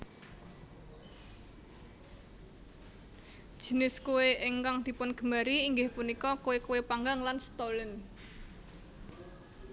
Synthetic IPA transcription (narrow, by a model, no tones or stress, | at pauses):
ʒ̥ə̤nɪskuweʔɪŋkaŋd̪̥i̤pʊnɡ̥ə̤maɾiːŋɡɪhpunikɔkuwekuwepaŋɡaŋlansət̪olən